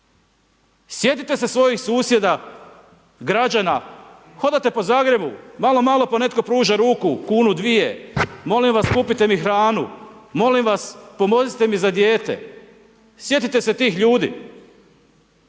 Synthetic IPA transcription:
sje̞t̪it̪e̞se̞sʋo̞jixsuːsje̞d̪a | ɡɾad͡ʒana | xo̞d̪at̪e̞po̞zaːɡɾe̞bumalo̞malo̞po̞ne̞t̪ko̞pɾuːʒaɾuːkukuːnud̪ʋijemo̞limʋaskupit̪e̞mixɾaːnumo̞limʋaspo̞mo̞zit̪e̞mizad̪jeːt̪e̞̰ | sje̞t̪it̪e̞se̞t̪iːxʎuːd̪ḭ

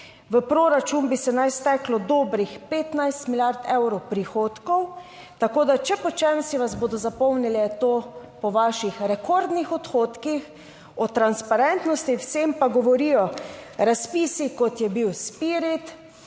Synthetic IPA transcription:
ʋəpɾoːɾat͡ʃuːnbisɛnajst̪ɛklɔd̪oːbɾixpeːt̪najst̪miljaɾt̪ɛwɾɔwpɾixoːt̪kɔw | t̪akoːd̪at͡ʃɛpɔt͡ʃɛnsiʋazboːd̪ɔzapɔwnilɛt̪oːpɔʋaːʃixɾɛkoɾd̪nixɔt̪xoːt̪kix | ɔt̪ɾanspaɾɛnt̪nɔst̪iwsempaɡɔʋɔɾijɔɾaspiːsikɔt̪jɛbiwspiːɾit̪

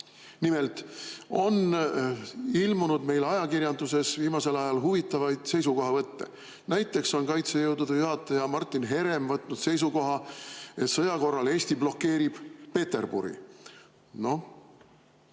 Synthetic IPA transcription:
nimelt̪o̞n | ilmunud̪me̞jlɑjɑkirjɑnd̪use̞sviːmɑse̞lɑjɑlɦuvit̪ːˑɑvɑjd̪̥se̞jsuko̞ɦɑvɤt̪ːe̞̰ | næjt̪ːˑe̞kso̞nkɑjt̪sejɤwd̪ud̪̥ɑjuɦɑt̪ːˑɑjɑmɑrt̪ːˑinɦe̞ɾe̞mvɤt̪ˑnud̪̥se̞js̬uko̞ɦɑe̞t̪sɤjɑko̞rːɑle̞ːsʲt̪iblo̞kːe̞ːɾib̥pe̞t̪e̞rb̥ṵɾḭ | no̞

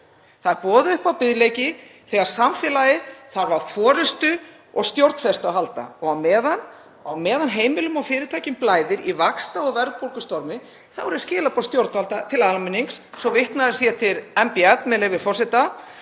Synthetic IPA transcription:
θaðɾpɔːðʏʏhpawpɪðlejcɪθɛːɣaɾ̥samfɛːlajɪθaɾvaɾfɔːɾɪst̪ʏ | ɔɣst̪jowɾt̪n̥fɛst̪awɦalt̪a̰ɔɣawmɛːðan | awmɛːðanɦeːjmɪlʏmɔwfɪːɾɪt̪ʰaːjcʏmplaːjðɪɾivakst̪aɔɣvɛɾðpowlkʏst̪ɔɾmɪ | θavɔɾðscɪːlapʰɔst̪jowɾt̪halt̪at̪ʰɪlalmɪnːiŋksːɔvɪht̪naðɪsjɛt̪ʰɪɾɛmpiat̪mɛðlɛvɪ̥fɔrsɪt̪a

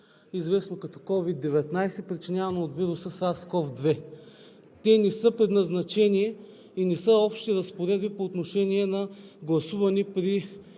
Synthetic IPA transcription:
izvɛsnokɐt̪ɔ̥kɔvid̪ːɛvɛt̪najsɛpɾit͡ʃinʲjavɐnoːt̪viɾʊsəsaskɔfd̪vɛ | t̪ɛnɛsɤpɾɛd̪nɐznɐt͡ʃɛniɛ | inɛsɤɔpʃt̪iɾɐspoɾɛd̪̚bipoːt̪noʃɛniɛnɐɡlˠɐsuvɐnipɾi

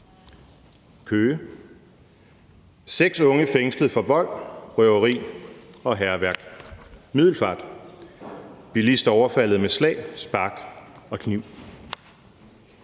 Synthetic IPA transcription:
kʰøː | seɡ̥sɔ̽ŋəfeŋsləfɒ̽ʋɒ̽l̰ʁœʊɐʁḭːɒ̽ɦæɐʋæɐɡ̥miðˠl̩fɑ̈ːd̥ | b̥ilisd̥ɐɒʊɐfæl̰ð̞̩ˠmeslɛ̰ːɪsb̥ɑ̈ɡ̥ɒ̽kʰniʊ̰

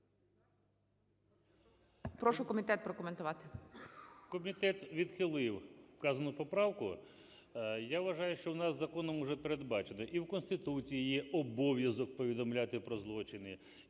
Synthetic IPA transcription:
pɾɔʃʊkɔmʲit̪ɛt̪̚pɾɔkɔment̪ʊʋat̪ɪ̥ | kɔmʲit̪ɛt̪ʋʲid̪xɪlˠɪwkɑzɐnʊpɔpɾɑwkʊ | jaʋʋɐʒɑjʊʃt͡ʃɔwnɑzːɐkɔnɔmɔʒɛpeɾed̪bɑt͡ʃenɪʔiwkɔnst̪ɪt̪ut͡sʲijijɛʔɔbɔʋʲjɐzɔk̚pɔʋʲid̪ɔmlʲat̪ɪpɾɔzlˠɔt͡ʃɪnɪ

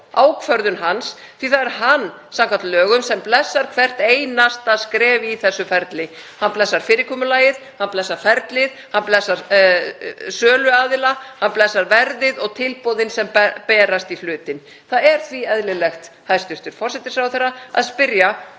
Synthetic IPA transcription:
aːwkʰvœɾðʏnɦans | θviθaðɛɾɦanː | sãmkvant̪lœːɣʏmsɛmplɛsːaɾ̥kʰvɛr̥t̪eːjnast̪aðskɾɛːvɪiθɛsːʏfɛɾt̪lɪ | hanplɛsːaɾ̥fɪːɾɪkʰɔːmʏlaːjɪð | hanplɛsːaɾ̥fɛɾt̪lɪðhanplɛsːaɾ | sœːlʏaːðɪlahanplɛsːaɾvɛɾðɪðɔɣt̪ʰɪlpowðɪnsɛmpɛːɾast̪iflʏːt̪ɪn | θaðɛɾ̥θviɛðlɪlɛxt̪hajst̪ʏst̪ʏɾ̥fɔrsɛt̪ɪ̥sawθɛrːaaðspɪɾja

